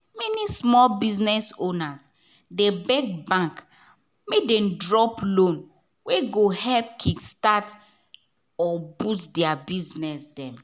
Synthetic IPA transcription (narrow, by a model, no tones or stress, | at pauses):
mɛnismɔlbiznɛsonas | debɛk̚bãŋk | medɛ̃mdɹɔplõn | weɡohɛlp̚kʰidstat | ɔbusdɛabiznɛsdɛ̃m